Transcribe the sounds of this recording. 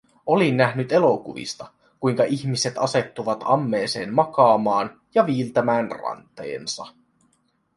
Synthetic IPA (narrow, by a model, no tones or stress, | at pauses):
o̞linːæɦnyt̪e̞lo̞kṵʋḭst̪ɑ | kujŋkɑʔiçmise̞t̪ɑse̞t̪ːuʋɑt̪ɑmːe̞ːse̞ːnmɑkɑːmɑːn | jɑʋiːlt̪æmæːnrɑ̰nt̪ˑe̞̰ːnsɑ̰